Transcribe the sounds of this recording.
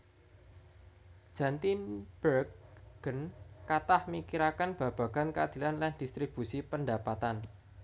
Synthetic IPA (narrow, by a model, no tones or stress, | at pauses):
d̥ʒ̥a̤nt̪ib̥ərkɡ̥ənkat̪ahmikiɾakanb̥a̤b̥a̤ɡ̥a̤nkəad̪̥i̤lanland̪̥ist̪ɾib̥ṳsipəndapat̪an